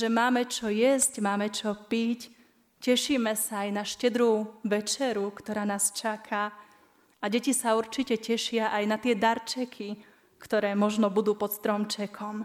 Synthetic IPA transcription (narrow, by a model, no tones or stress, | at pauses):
ʒɛmaːmɛt͡ʃɔjɛzcmaːmɛt͡ʃɔpic | cɛʃimɛsaajnaʃcɛd̪ɾuʋɛt͡ʃɛɾukt̪ɔɾaːnaːst͡ʃakʰa | aɟɛcisauɾt͡ʃicɛcɛʃɪaʔajnat̪ɪɛd̪aɾt͡ʃɛkʰi | kt̪ɔɾɛːmɔʒnɔbud̪uːpɔt̪st̪ɾɔmt͡ʃɛkʰɔm